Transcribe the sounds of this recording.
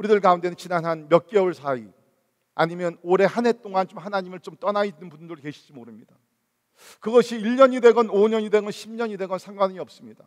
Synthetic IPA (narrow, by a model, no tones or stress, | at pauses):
uɾidɯɭkaunde̞nɯnt͡ɕinanɦanmjʌk͈euɭsʰai | aɲimjʌnoɾe̞hanɦe̞t͈oŋant͡ɕomhanaɲimɯɭt͡ɕomt͈ʌnaid͡ʑinɯnpundɯɾɯɭke̞ɕʰi̥d͡ʑimoɾɯmɲida | kɯɡʌɕʰiːɭɲʌɲide̞ɡʌnoɲʌɲide̞ɡʌnɕʰimɲʌɲide̞ɡʌnsʰaŋɡwaɲiʌp̚s͈ɯmɲida